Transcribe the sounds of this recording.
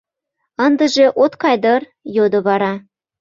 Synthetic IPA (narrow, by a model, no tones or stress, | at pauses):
ɑnd̪ə̆ʒĕʔot̪kɑjd̪ɤr | jod̪ŏβɑɾɑ